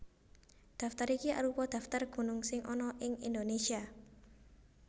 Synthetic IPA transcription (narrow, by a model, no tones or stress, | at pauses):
d̪̥ä̤ft̪aɾikiʔa̰ɾupɔd̪̥ä̤ft̪arɡ̥ṳnʊŋsɪŋʔɔnɔʔɪŋḭnd̪onesia